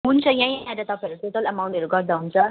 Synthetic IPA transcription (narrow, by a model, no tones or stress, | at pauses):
ɦunt͡sʰʌjãj̃ãɾat̪ʌpãʌɾuʈoʈʌlɐmawɳʈʌɾuɡʌɾd̪aɦunt͡sʰʌ